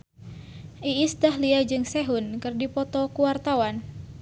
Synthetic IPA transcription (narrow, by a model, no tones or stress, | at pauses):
ʔiːst̪aɦliad͡ʒɨŋsɛɦunkɨrdipɔt̪ɔkuwart̪awan